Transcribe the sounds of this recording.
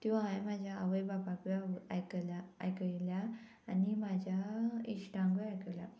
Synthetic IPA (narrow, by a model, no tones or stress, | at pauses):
k̪ĩʋãɦajmad͡ʑʱjaəʋəjbapãkiajklaa̰jkəjlja | animad͡ʑʱjaiɕʈãŋɡiajkəla